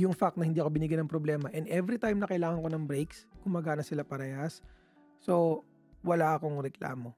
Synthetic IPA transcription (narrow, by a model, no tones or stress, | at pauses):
jʊŋfak̚t̪nɐhɪnd̪iːɐkobɪnɪɡjanɐŋpɾoblɛːmɐʔɛnd̪ʔɛvɾit̪ajmnɐkɐjlaːŋɐnko̞nɐŋbɾejkskʊŋmɐɡaːnɐsɪlapɐɾɐjasː | o | wɐlaʔɐko̞ŋɾɛkla̰ːmo